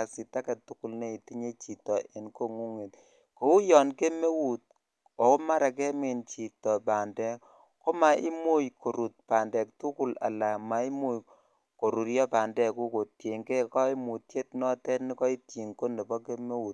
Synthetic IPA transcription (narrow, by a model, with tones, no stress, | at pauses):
a˨si˨ta˦kɛ˨tu˦ku˦lne˦i˨ti˦ɲe˦t͡ʃi˨tɔ˨ʔe˨nko˦ŋu˦ŋe˨t | ko˨wu˦jɔ˨nke˦me˦wu˨t̚ | o˨ko˦ma˦ɾa˨k̬ɛ˦me˨nt͡ʃi˨tɔ˨pa˨ndɛ˦ | ko˦ma˨ʔi˦mu˦jkʰo˨ɾu˨t̚pa˨ndɛ˨k̚tu˦ku˦la̰˨la˨ma˨i˦mu˦j | ko˨ɾu˨ɾjɔ˦pa˨ndɛ˨ku˦ko˨tje˨ŋɡe˦kɔ˦i˦mu˨tje˦t̚nɔ˦tɛ˦tni˦kɔ˦i˦tji˨ŋko˦ne˨bɔ˦ke˦me˦wu˨t̚